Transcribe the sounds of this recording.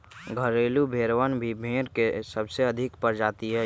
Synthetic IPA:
ɡʱəɾeːlubʱeːɾʋənbʱibʱeːɾkesəbseɐd̪ʱɪkpəɾd͡ʒaːt̪iɦɛ

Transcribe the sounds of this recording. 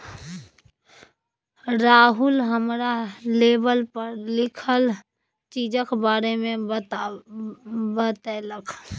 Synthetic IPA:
ɾaːɦʊlɦəmɾaleːbəlpəɾlɪkʰəl | t͡ʃiːd͡ʒə̃kbaːɾemẽt̪a | bət̪ɛləkʰ

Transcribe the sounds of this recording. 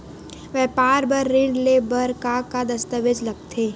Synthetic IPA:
ʋɛːpaːɾbɐɾːɪ̃ɳɖlebɐɾkaːkad̪ɐst̪əʋed͡ʒlɐɡt̪ʰeː

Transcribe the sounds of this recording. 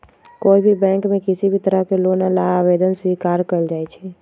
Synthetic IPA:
koːibʱibɛ̃ŋkmẽkisibʱit̪əɾəɦkelonalaabed̪ənswikaɾkəld͡ʒaːɛt͡ʃʰɛ

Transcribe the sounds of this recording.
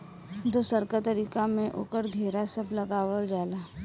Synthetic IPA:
d̪osəɾkat̪əɾiːkamẽʔo̰ːkəɾɡʱeːɾasɐblɐɡaːwəld͡ʒaːlaː

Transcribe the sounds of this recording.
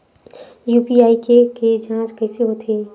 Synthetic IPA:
juːpiaːikeked͡ʒãːt͡ʃkɛːseɦot̪ʰeː

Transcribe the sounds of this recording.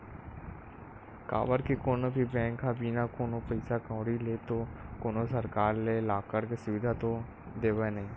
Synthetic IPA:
ka̰ːʋəɾkikoːnobʱibɛ̃ːŋkʰːabiːnakoːnopəɪsakãːɽileːt̪okoːnosəɾkaːɾlelaːkəɾkesʊʋɪd̪ʱat̪o | d̪eːʋenɐɦĩː

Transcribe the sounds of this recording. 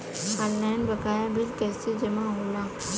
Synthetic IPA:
alnaːnbəkaːjabɪlkɛːsed͡ʒɐmaɦoːlaː

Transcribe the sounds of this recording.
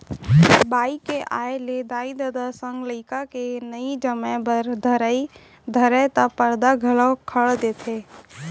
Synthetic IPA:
baːikeʔaːeled̪aːid̪əd̪asə̃ŋɡləːkakenəid͡ʒəmɛ̃bəɾd̪ʱəɾi | d̪ʱəɾət̪apəɾd̪aɡʱələwkʰəɭd̪eːt̪ʰeː

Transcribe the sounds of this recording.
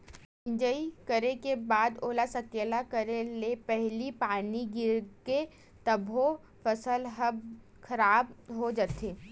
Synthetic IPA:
ɪ̃d͡ʒəikəɾekebaːd̪oːlasɐkeːlakəɾelepɛɦlipaːniɡɪɾke | t̪ɐbʱo | fɐsəlɦəb | kʰɐɾaːbɦod͡ʒət̪eː

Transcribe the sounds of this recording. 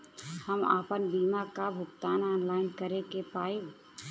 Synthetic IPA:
həma̰ːpənbiːmakabʱʊkt̪aːnɔːnlaːɪnkəɾekepaːi

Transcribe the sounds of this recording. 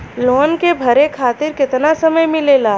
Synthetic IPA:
lɔːnkebʱɐɾekʰaːt̪ɪɾkɪt̪nasɐməjmɪ̃leːlaː

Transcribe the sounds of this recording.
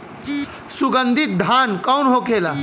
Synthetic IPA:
suɡənd̪ʱit̪̚d̪ʱankawnɦokela

